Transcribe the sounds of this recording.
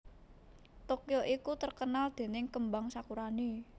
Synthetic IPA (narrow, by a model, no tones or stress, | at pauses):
t̪okjoʔikut̪ərkənald̪̥e̤nɪŋkəmbaŋsakuɾani